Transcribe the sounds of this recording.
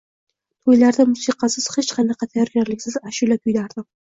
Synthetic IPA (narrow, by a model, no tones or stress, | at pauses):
t̪ʰojlaɾd̪amʊsiqʰɑsɪz̥het͡ʃqʰɑnɑqʰɑt̪ʰajɒɾɡʲaɾlɪkʲsɪzaʃulapʰʊjd̪aɾd̪ɪm